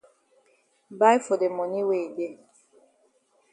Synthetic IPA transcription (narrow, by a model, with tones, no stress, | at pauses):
ba˦jfo˨de˨mɔ˨ni˦we˨de˦